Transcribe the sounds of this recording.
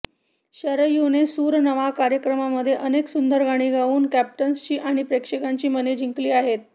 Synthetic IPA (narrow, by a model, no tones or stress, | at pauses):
ɕəɾəjunesuːɾnəʋakaɾjəkɾəmaməd̪ʱːjeʔəneksund̪əɾɡʱaɽ̃iːɡʱaʋuːnkæp̚ʈənst͡ɕiːʔaɽ̃ipɾekʂekaɲt͡ɕiːməned͡ʑʱiŋkliːaɦet̪̚